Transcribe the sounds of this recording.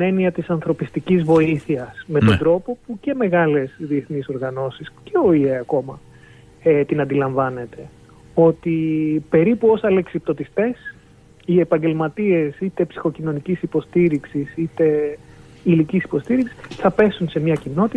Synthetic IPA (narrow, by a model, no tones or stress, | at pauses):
ine̞niɐt̪isɐnθɾo̞pist̪icizvo̞iθiɐsme̞tt̪ond̪ɾo̞po̞puce̞me̞ɣɐle̞sðie̞θniso̞ɾɣɐno̞sisce̞o̞ieɐko̞mɐ | et̪inɐnd̪ilɐɱvɐne̞t̪e̞ | o̞t̪ipe̞ɾipuo̞sɐleksip̚t̪o̞t̪ist̪e̞s | ie̞pɐɲɟe̞lmɐt̪ie̞sit̪e̞psi̥xo̞cino̞nicisipo̞st̪iɾiksisit̪e̞ | ilicisi̥po̞st̪iɾiksi̥θɐpe̞sunse̞mɲɐcino̞t̪i